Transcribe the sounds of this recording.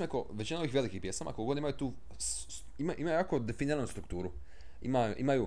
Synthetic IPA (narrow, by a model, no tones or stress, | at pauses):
mekoʋe̞t͡ɕinaoʋixʋe̞likixpje̞sama̰koɡoɡod̪imajut̪uː | imaʔimajujaːko̞d̪e̞finiɾanust̪ɾukt̪uːɾu | ḭmajʔḭmaju